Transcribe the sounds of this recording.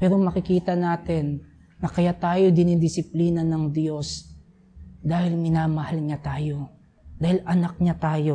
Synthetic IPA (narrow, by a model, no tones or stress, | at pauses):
pɛːɾomɐkɪkiːt̪ɐnaːt̪ɛnː | ɐkɐjat̪aːjo̞d̪ɪnid̪ɪsɪpliːnɐnɐŋd̪jo̞s | d̪aːhɪlmɪnaːmɐhalɲat̪aːjo̞ | d̪aːhɪlɐnɐk̚ɲat̪aːjo̞